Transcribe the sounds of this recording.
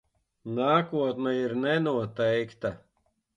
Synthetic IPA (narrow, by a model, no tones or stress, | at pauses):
naːkuɔt̪nɛiɾnɛnuɔt̪ɛjkt̪a